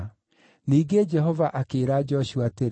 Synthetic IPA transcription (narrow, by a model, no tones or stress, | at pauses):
niːɡed͡ʒɛɦɔvaʔakeːɾad͡ʒɔʃuateɾ